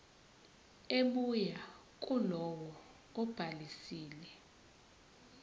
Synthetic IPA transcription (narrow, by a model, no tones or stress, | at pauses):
eɓuja | k̬ʼulɔwɔ | ɔb̥ʱalisiːlɛ